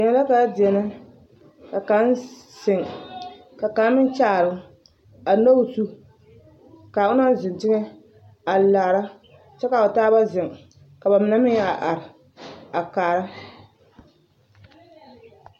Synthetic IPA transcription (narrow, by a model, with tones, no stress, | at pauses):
ɛ˨na˨˦la˦ka˨˦dɪ˨ɛ˨na˦ | ka˨ka˦nsɪ˨ŋ | ka˨ka˨˦n˦mɪ˦n˦t͡ʃaː˦˨ɾɨ˨ŋ | a˨no˦u˨˦su˦ | kaː˨ʊ˦na˦n˦zɪ˨ntɪ˦ŋɛ˦ | a˨laː˨ɾa˦ | t͡ʃɛ˦ka˨o˨taː˦ba˦zɪ˨ŋ | ka˨ba˨mɪ˨˦na˦mɪ˦a˨ʔa˨ɾɪ˨ | a˨kaː˨ɾa˦